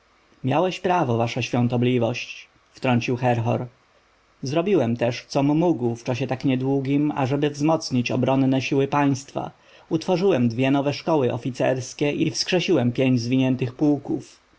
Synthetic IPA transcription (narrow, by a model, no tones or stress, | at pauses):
mʲjawɛɕpɾavɔvaʂaɕfʲjɔ̃nt̪ɔblʲivɔɕt͡ɕ | ft̪ɾɔɲt͡ɕiwxɛɾxɔ̰ɾ | zɾɔbʲiwɛmt̪ɛʂt̪sɔmːuɡwft͡ʂaɕɛt̪akɲɛd̪wuɡʲima̰ʐɛbɘvzmɔt̪sɲit͡ɕɔbɾɔnːɛɕiwɘpaj̃st̪fa̰ | ut̪fɔʐɘwɛmd̪vʲjɛnɔvɛʂkɔwɘʔɔ̰fʲit̪sɛ̰ɾskʲɛʔifskʂɛɕiwɛmpʲjeɲd͡ʑzvʲiɲɛnt̪ɘxpuwkuf